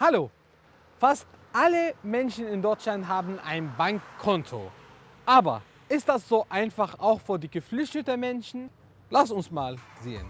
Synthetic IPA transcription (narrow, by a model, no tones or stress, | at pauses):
haloː | fastʔaləmɛnʃn̩ɪndɔɪt͡ʃlantɦaːbn̩ʔa̰ɪnbaŋkʰːɔntʰo̰ | ʔaːbɐ̰ | ʔɪstd̥asz̥oːʔaɪnfaχaʊxfyːɐdiːɡəflʏçtətəmɛnʃn̩ | lasʊnsmaːlzeːə̰n